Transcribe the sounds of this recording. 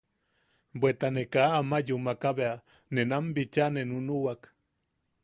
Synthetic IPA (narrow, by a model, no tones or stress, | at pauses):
bwet̪anekaːmajumakaβea | nenambit͡ʃanenunuwak